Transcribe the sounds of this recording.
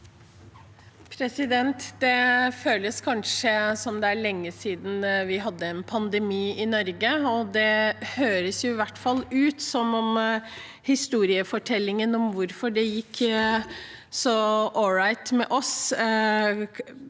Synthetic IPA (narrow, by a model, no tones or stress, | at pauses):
pʰɾɛsɪd̪ɛnt̪d̪ɛføːləskʰɑnʂəsɔmd̪ɛæɭɛŋːəsiːd̪n̩ʋɪɦɑd̪ːəɛnpʰɑnd̪ɛmiːɪnɔɾɡəɔd̪ɛhøːɾəsjʊɪʋæʈːfɑlːʉːt̪sɔmːɔm | hɪst̪uːɾɪəfɔʈʰɛlːɪŋənɔmʋʊɾfɔɖɛjɪkː | sɔʔɔɹɑɪt̪mɛʔɔs